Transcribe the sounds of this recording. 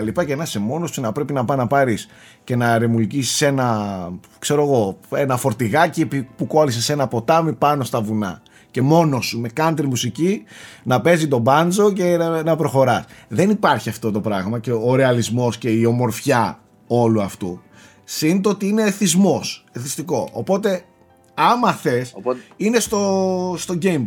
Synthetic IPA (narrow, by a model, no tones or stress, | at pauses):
ɐlipɐcenɐse̞mo̞nosinɐpɾe̞pinɐpɐnɐpɐɾis | ce̞nɐɾe̞mulcisi̥se̞nɐ | kse̞ɾo̞ɣo̞e̞nɐfo̞ɾt̪iɣɐciepipukoɐlisese̞nɐpo̞t̪ɐmipɐno̞st̪ɐvunɐ̰ | ce̞mo̞no̞sume̞kɐnt̪ɾimusicinɐpe̞zit̪o̞bɐnd͡zo̞ce̞nɐpɾo̞xo̞ɾɐsðe̞nipɐɾçiɐft̪o̞t̪o̞pɾɐɣmɐce̞oɾe̞ɐlizmo̞sce̞io̞mo̞ɾfçɐ | o̞luɐft̪ṵ | sint̪oot̪iine̞θizmo̞seθist̪iko̞ʔo̰po̞t̪e̞ | ɐmɐθesinest̪ost̪o̞ɟejmb